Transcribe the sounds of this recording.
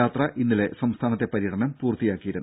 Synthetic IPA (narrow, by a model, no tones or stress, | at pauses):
aːt̪rɐʔinːile̞sɐmst̪ʰaːnɐt̪ːe̞pɐɾijɐʈʰɐɳɐmpuːrt̪ijaːkːijiɾunː